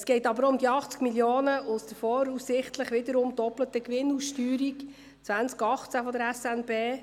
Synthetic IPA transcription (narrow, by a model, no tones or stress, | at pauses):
sɡ̥ɛɪtɑbəɾʊmd̪iɑχt͡skmiljoːnəʔʊsd̥̪əfɔɾussɪχt̪ləχʋɪd̪əɾʊmdɔplət̪əkʋɪnːusʃtyːɾik | t͡sʋænt͡skɑχt͡sæfɔd̪əɾɛsɛnbeː